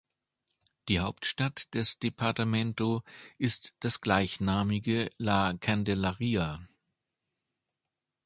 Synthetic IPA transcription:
d̥iːhaʊptʃtatd̥ɛsd̥epʰaɐtamɛntoʔɪstd̥asɡ̥laɪçnaːmɪɡəlakʰandelaʁiːa

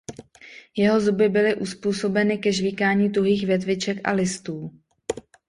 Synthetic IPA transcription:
jɛɦo̞zubɪbɪlɪʔuspuːso̞bɛnɪkɛʒviːkaːɲiːt̪uɦiːxvjɛt̪̬vɪt͡ʃɛkʔa̰lɪst̪uː

